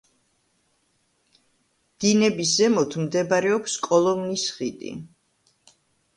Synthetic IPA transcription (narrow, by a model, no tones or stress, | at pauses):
d̪̥inɛbiszɛmɔt̪ʰmd̪ɛbaɾɛɔpskʼɔlˠɔmnisχid̪ʼḭ